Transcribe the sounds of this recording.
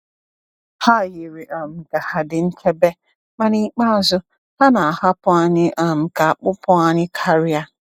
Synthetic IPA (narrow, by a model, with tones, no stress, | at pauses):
ha˦˨ji˨ɾi˨ʔa˨m̩˨ɡa˨ha˨dɪ˨n̩˦t͡ʃʰe˦be˦ | ma˦ni˦k͡pa˦a˨zʊ˦ | ha˦na˨a˨ha˦pʊ˦a˦ɲɪ˦ʔa˨m̩˨ka˨a˨k͡pʊ˦pʊ˦a˦ɲɪ˦kʰa˦ɾɪ˦a˦